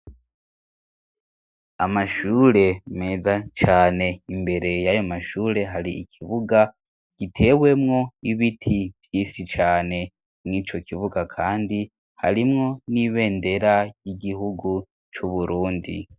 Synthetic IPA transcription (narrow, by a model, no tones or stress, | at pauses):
amaʃuːɾe̞me̞zat͡ʃaːne̞imbe̞ɾe̞jajo̞maʃuːɾe̞ɦaɾiikʰiβuɡa | ɡ̥itʰe̞ːwe̞mŋo̞iβitʰivjiːsit͡ʃaːne̞ | mŋiːt͡ʃo̞kiβuɡakʰaːndi | ha̰ɾimŋo̞niβe̞ːnde̞ɾajiɡiɦuɡu | t͡ʃuβuɾuːndḭ